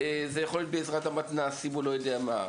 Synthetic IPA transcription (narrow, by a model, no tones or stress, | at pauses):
ezejaχoljo̞t̪̚beːzʁat̪amat̪naːsimulo̞jo̞deama̰